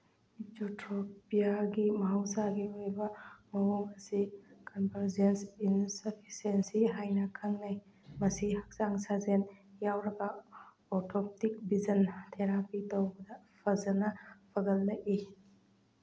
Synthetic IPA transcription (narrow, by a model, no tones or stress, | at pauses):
itotʰɾopijaɡimɐɦawsaɡiojbɐmɐwuŋɐsikɐnpɐɾzensinsɐpʰi̥sensiɦajnɐkʰɐŋlaj | mɐsihɐk̚saŋsazenjawɾɐɡɐ | ɔtʰop̚tik̚bizɐntʰeɾapitɐwbɐdɐ | pʰɐzɐnɐpʰɐɡɐlːɐɡi